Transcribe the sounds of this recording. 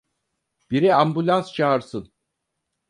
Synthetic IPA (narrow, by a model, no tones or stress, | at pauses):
b̥iɾiambulʲanst͡ʃʰaːɾsɯn